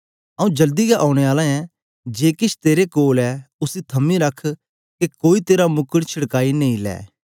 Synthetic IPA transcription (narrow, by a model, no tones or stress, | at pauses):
ɐũd͡ʒɐld̪iɡaʔãːɽ̃eaːlãɛ̃ | d͡ʒeːkɪt͡ʃʰt̪eːɾekoːlɛʊsit̪ʰɐmĩɾɐkʰ | kekoːit̪eːɾamʊkəɽt͡ʃʰɪɽkaːinɐĩlɛ̰ː